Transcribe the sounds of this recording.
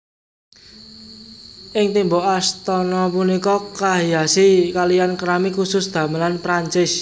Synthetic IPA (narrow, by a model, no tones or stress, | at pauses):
ʔɪŋt̪imboʔast̪ɔnɔpunikɔkaɦijasikalijankəɾamikusʊsd̪̥ä̤məlanpɾaɲt͡ʃɪs